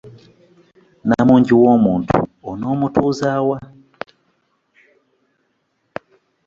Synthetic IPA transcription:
na̰muɲd͡ʒiwɔmuntʰṵɔnɔmutʰuzawa

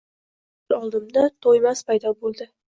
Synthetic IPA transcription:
lɒlˠd̪ɪmd̪at̪ʰojmaspʰajd̪ɒbolˠd̪ɪ

